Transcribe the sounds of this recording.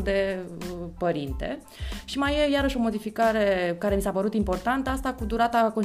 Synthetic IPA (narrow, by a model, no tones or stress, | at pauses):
d̪e̞ | pəɾint̪e̞̰ | ʃimaje̞jaɾəʃo̞mo̞d̪ifikaɾe̞kaɾe̞misapəɾut̪impo̞rt̪ant̪əast̪akud̪uɾat̪ako̞n